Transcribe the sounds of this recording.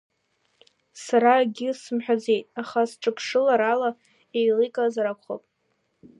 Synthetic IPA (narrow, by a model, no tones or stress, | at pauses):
saɾaɡʲɪsɨmħᶣad͡ze̞jtʼaχasʈ͡ʂʼɨpʷʰʂɨlaɾala | ejlijkʼazaɾakʷʰχo̰pʼ